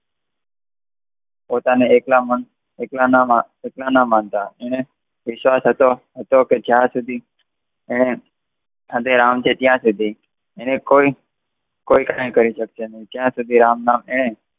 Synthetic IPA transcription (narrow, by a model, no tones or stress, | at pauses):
pot̪aneeklamən | eklanama | eklanamãnt̪aeɽ̃e | ʋɪʃʋasɦət̪oɦət̪oked͡ʒjãsud̪ʱi | eɽ̃e | at̪eɾamt͡ʃʰet̪jãsud̪ʱi | eɽ̃ekoi | koikajẽkəɾiʃəkʃenəĩt̪jãsud̪ʱiɾamnameɽ̃e